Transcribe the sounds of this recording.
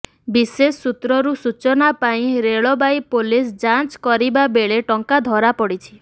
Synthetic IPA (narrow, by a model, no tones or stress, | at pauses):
bisesːut̪ɾɔɾusut͡ʃɔnapaĩɾeɭɔbajpolisd͡ʒant͡ʃkɔɾibabeɭeʈɔŋkad̪ʱɔɾapɔɽit͡ʃʰi